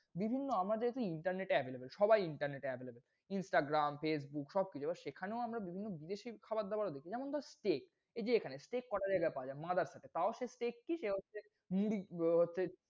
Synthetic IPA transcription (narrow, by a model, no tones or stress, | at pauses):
bibʱinːoamad͡ʑaɦet̪uiɳʈaɾneʈeɛbʱelebelʃɔbajiɳʈaɾneʈeɛbʱelebel | insʈaɡɾamfes̬bukʃɔb̚kit͡ɕʰoebaɾʃekʰaneoamɾabibʱinːobid̪eʃikʰabaɾd̪abaɾaod̪ekʰid͡ʑɛmont̪asʈek | ed͡ʑeekʰanesʈekːɔʈʰad͡ʑaeɡapaoad͡ʑaemad̪aɾsaʈet̪aoʃesʈekːiʃeɦotːɕʰe | muɽiɦotːɕʰe